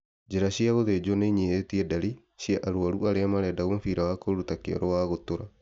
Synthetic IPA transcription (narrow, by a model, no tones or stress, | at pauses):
d͡ʒeɾaɕiaɣoðed͡ʒoneɲietiɛdaɾi | ʃiaʔaɾoaɾuaɾeamaɾɛdaoɱfiɾawakoɾutakeɔ̰ɾowaɣotoɾa